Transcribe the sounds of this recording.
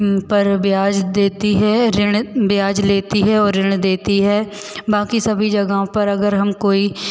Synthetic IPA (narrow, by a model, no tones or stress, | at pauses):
pɐɾbjaːd͡ʒd̪eːt̪iɦɛɾɪɽ̃bjaːd͡ʒleːt̪iɦɛɔːɾːɪɽ̃d̪eːt̪iɦɛː | baːkisɐbʱid͡ʒɐɡaɦõpɐɾɐɡəɾɦɐmkoːi